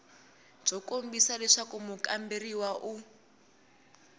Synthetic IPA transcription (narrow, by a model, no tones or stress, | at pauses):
b͡ʐɔkombisalɛʂakumukamberiwaʔu